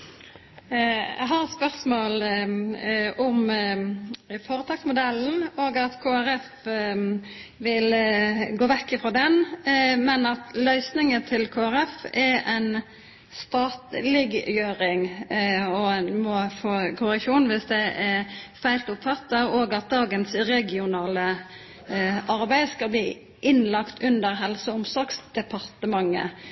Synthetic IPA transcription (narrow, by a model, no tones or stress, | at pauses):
æ̰ɦɑɾɛt̪spœʁsmoːl | ʊm | foːɾət̪ʰɑːksmʊd̪ɛln̩oːɡɑt̪kʰoːæɾɛf | ʋɪlɡoːʋɛkːɪfʁoːd̪ɛnmɛnɑt̪lœʏsnɪŋət̪ʰɪlkʰoːæɾɛfɛɾɛɪn | st̪ɑːt̪lɪɡjøːɾɪŋ | ɔnmɔfoːkʰʊɾɪkʃuːnʋɪsd̪ɛʔɛfæɪlt̪ʊpfɑt̪ːəoːɡɑt̪̚d̪ɑːɡənsɾɛɡɪʊnɑːlə | ʔɑɾbæɪd̪skɑlbliː | ʔɪnlɑkt̪ʰʉnd̪əɾɦɛlsəʊmsɔksd̪̥ɛpʰɑʁt̪əmɑŋːə̰